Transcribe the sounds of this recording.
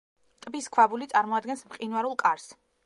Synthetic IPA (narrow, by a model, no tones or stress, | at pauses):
t̪ʼbiskʰwabulit̪sʼaɾmɔad̪̚ɡɛnsmqʼinwaɾulˠkʼaɾs